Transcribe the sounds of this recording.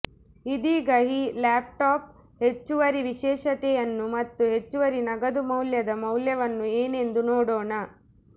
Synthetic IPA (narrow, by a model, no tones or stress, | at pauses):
id̪iːɡɐɦilaːp̚ʈaːp̚ | he̞t͡ʃːuʋɐɾiʋiʃɛːʃɐt̪ɛjɐnːumɐt̪ːuɦe̞t͡ʃːuʋɐɾinɐɡɐd̪umɐwljɐd̪ɐmɐwljɐʋɐnːueːne̞nd̪unoːɽoːɳɐ